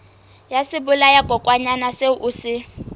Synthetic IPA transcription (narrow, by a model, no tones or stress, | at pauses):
jasɪbʊlajakʼɔkʼwaɲanaseuʔuːsɪ